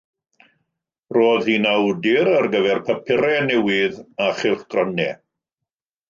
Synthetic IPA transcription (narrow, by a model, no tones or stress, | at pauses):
roːðhinawdɪɾarɡəvɛrpʰəpʰɪɾɛnɛwɪðaχɪlˠχɡ̥rɔnɛ